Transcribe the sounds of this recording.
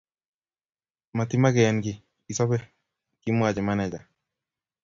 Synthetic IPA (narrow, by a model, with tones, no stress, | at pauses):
ma˨tɪ˦ma˦ɡɛ˨ɛ˦nɡɪ˨ | i˨sɔ˦bɛ˦ | ki˦mwa˨d͡ʒɛ˨ma˦nɛ˨d͡ʒa˨